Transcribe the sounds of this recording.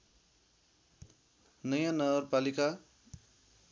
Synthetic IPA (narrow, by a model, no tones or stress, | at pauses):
nʌjãnʌɡʌrpalika